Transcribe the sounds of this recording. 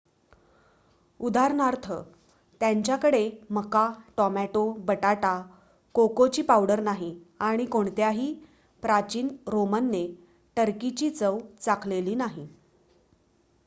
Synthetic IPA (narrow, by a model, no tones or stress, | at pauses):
ud̪ʱaɾnaɾt̪ʰə | t̪jaɲt͡ɕjakəɽeməkaʈɔmæʈobəʈaʈa | kokot͡ɕiːpawɽəɾnaɦiaɽ̃ikoɳt̪eaɦiː | pɾat͡ɕiːnɾomənːe | ʈəɾkit͡ɕiːt͡səwt͡sakʰleliːnaɦi